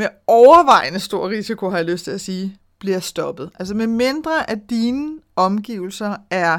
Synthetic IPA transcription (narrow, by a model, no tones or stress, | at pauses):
meɒʊɐʋɑ̈ɪ̰nəsd̥o̝ɐ̰ʁisikʰo̝ɦɑ̈jɑløsd̥t͡sʰe̝læsiː | b̥liɐsd̥ɒ̽b̥ð̞̩ˠʔæls̬əmeme̝nd̥ʁɐʔæd̥iːnəɒ̽mɡ̥ḭːʊl̩sɐæɐ